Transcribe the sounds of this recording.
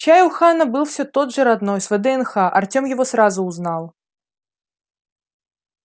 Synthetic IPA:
t͡ɕajwxanɐbɨlˠfsʲot̪od̪ʐɨɾad̪nojsvɛd̪ɛɛnxaʔɐ̰rtʲomjɪvosɾazʊːznalˠ

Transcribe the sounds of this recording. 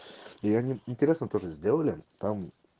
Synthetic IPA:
iɐnʲiɪnʲtʲɪɾʲesnət̪o̞ʐɨzʲdʲe̞lˠəlʲɪt̪am

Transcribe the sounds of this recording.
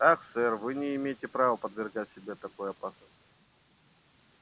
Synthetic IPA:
axsɛrvɨnʲɪɪmʲejɪtʲɪpɾavəpəd̪vʲɪrɡatʲsʲɪbʲet̪ɐkojɐpasnəst̪

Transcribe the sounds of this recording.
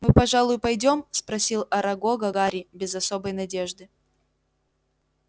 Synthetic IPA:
mɨpɐʐalˠʊjʊpɐjdʲo̞mspɾɐsʲilˠɐɾɐɡoɡɐɡaɾʲɪbʲɪzɐso̞bəjnɐdʲeʐd̪ɨ

